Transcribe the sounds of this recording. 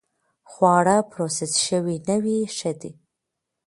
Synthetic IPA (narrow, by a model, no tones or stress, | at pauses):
χwɑːɽapʰɾosesʃəwinəwiʃəd̪i